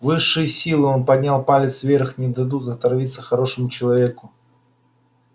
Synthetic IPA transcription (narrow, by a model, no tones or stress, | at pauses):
vɨʂːɨjəsʲilˠɨo̞npɐdʲnʲalˠpalʲɪt̪svʲerxnʲɪd̪ɐd̪ut̪ɐt̪ɐrvʲit̪sːəxɐɾo̞ʂɨmʊt͡ɕɪlˠɐvʲe̞kʊ